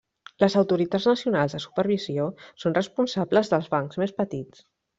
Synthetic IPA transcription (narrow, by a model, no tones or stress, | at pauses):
ləzəwt̪uɾit̪ad͡zznəsiunalˠzðəsu̥pəɾβ̞iziosonrəspunsabləzðəlˠzβaŋkzmespət̪it͡s